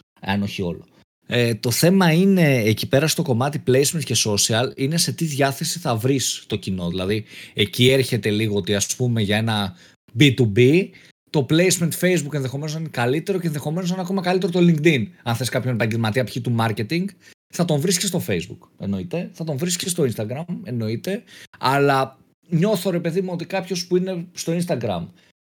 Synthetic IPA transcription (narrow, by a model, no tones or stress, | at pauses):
ɐno̞çio̞lo | et̪o̞θe̞mɐine̞ːcipe̞ɾɐst̪o̞ko̞mɐt̪iple̞jsment̪ce̞so̞siɐline̞se̞t̪iðʝɐθe̞siθɐvɾist̪ocino̞ðilɐðie̞cie̞ɾçe̞t̪e̞liɣo̞ot̪iɐspume̞ʝɐe̞nɐ | bit̪ubi | t̪o̞ple̞jzme̞nt̪fe̞jzbukenðexo̞me̞nosninekɐlit̪e̞ɾo̞cenðe̞xo̞me̞nos̬ɐneɐko̞mɐkɐlit̪e̞ɾo̞t̪oliŋɡt̪inɐnθe̞skɐpço̞nepɐɲɟe̞lmɐt̪iɐpçit̪umɐɾce̞t̪iŋɡ | θɐt̪o̞ɱvɾiscest̪ofe̞jzbṵke̞̰no̞it̪e̞θɐt̪o̞ɱvɾiskest̪o̞inst̪ɐɡɾɐme̞no̞it̪e̞ɐlɐ | ɲo̞θo̞ɾe̞pe̞ðimuo̞t̪ikɐpço̞spuine̞st̪o̞inst̪ɐɡɾɐ̰m